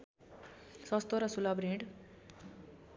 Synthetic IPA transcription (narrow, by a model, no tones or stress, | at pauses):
sʌst̪oɾʌsulabɾeɳɖ